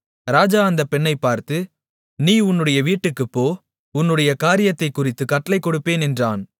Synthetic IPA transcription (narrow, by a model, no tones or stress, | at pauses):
ɾaːd͡ʒaːɐnd̪ɐpɛɳːɐɪpːaːɾt̪ɯ | niːʊnːɯɽɐjɐʋiːʈːɯkːɯpːoː | ʊnːɯɽɐjɐkaːɾɪjɐt̪ːɐɪkːʊrɪt̪ːɯkɐʈːɐlɐɪkːɔɽɯpːeːnɛndraːn